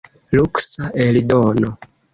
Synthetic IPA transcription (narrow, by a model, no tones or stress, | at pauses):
luksaʔelidono